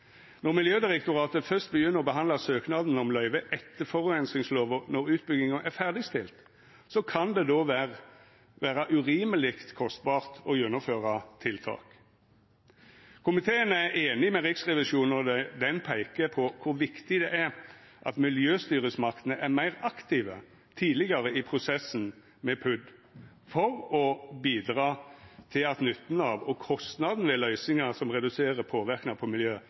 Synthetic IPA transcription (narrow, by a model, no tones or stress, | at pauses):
nɔʁmɪljøːd̪ɪʁɛk̚t̪ʊʁɑːt̪əfœst̪̚bəjʏnːəʁɔbəɦɑnd̪lɑsøːknɑd̪n̩ɔmlœʏʋəʔɛt̪ːəfɔʁʉɛnsɪŋsloːʋənɔʁʉːt̪̚bʏɡ̪ɪŋənʔæfæʁd̪ɪst̪ɪlt̪ | sɔkʰɑnd̪ɛd̪oːʋæʁ | ʋæːʁɑʔʉʁiːməlɪkt̪kʰɔst̪̚bɑːʁt̪ɔjɛnːʊmføːʁɑt̪ʰɪlt̪ʰɑ̰ːk | kʰʊmɪt̪ʰeːənæɾeːnɪmɛʁɪksʁɛʋɪʃuːnɔd̪ɛd̪ɛnpʰæɪkəpʰɔkʰʊɾʋɪkt̪ɪd̪ɛʔæɾʔɑ̰t̪mɪljøːst̪yːɾəsmɑkt̪ənəʔæmæɪʁɑkt̪ʰiːʋə̰ | t̪ʰiːd̪lɪɡɑɾəɪpʰɾʊsɛsːn | mɛpʰʉd̪ | fɔɾɔbiːd̪ʁɑːt̪ʰɪlɑt̪nʏt̪ːn̩ɑːʋɔkʰɔst̪nɑd̪n̩ʋɛlœʏsɪŋɑsɔmʁɛd̪ʉseːɾəpʰoːʋɪʁknɑpʰɔmɪljøː